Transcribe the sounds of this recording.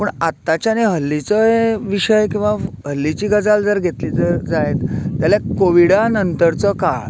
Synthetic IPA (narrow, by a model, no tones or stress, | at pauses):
pəɳat̪ːat͡ɕjaneɦəlːit͡səɦeʋiɕəjkĩw̃ʋaɦəlːit͡ɕiːɡəd͡zald͡zəɾɡʱet̪lit͡səd͡zajet̪t̪jaljakoʋiɽanənt̪əɾt͡sɔkaɭ